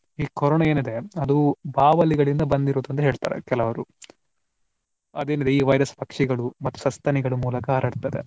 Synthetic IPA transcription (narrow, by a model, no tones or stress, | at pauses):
iːkɔɾɔːɳɐe̞ːnid̪e̞ɐd̪ubaːʋɐliɡɐɭind̪ɐbɐnd̪iɾoːd̪uɐnt̪ɐɦe̞ːɭt̪a̰ːɾḛkɛlɐʋɐɾu | ɐd̪e̞ːnid̪e̞iːʋɐjɾɐspɐkʂiɡɐɭumɐt̪ːu̥sɐst̪ɐniɡɐɭumuːlɐkɐaːɾaːɽt̪ɐd̪e̞̰